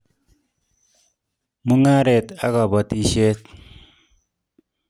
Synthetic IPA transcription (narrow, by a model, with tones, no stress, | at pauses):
mu˦ŋa˦ɾe˨ta˦ka˨bɔ˨ti˦ʃe˦t